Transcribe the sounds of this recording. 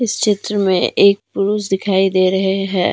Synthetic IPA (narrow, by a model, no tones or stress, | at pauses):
ɪst͡ʃɪt̪ɾəmḛ̃ʔeːk̚pʊɾuːsd̪ɪkʰaːid̪eːɾɐɦeɦɛː